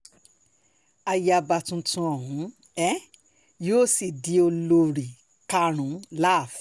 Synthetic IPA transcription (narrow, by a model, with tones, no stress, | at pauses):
a˧ja˧ba˧tũ˧tũ˧ɔ˨ɦũ˨˦ | ɛ˦ | joː˦˨si˨di˧˦o˧lo˧ɾi˨ | ka˧ɾ̃ũ˨˦la˦˨f